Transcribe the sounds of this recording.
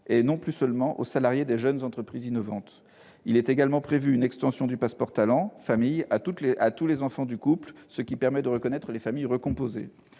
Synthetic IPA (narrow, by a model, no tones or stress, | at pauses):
enɔ̃plysœlmɑ̃ʔo̰salaʁjed̪eʒənzɑ̃t̪χəpχizinɔvɑ̃t̪ | ilɛt̪eɡalmɑ̃pχevyːnɛkst̪ɑ̃sjɔ̃d̪ypaspɔʁt̪alɑ̃famijat̪ut̪leʔat̪ulezɑ̃fɑ̃d̪ykuplsəkʲipɛʁmɛd̪əʁəkɔnɛt̪χəlefamijʁəkɔ̃pozḛ